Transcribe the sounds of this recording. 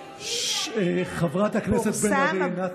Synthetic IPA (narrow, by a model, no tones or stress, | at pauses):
eχavʁatakneset̪benaina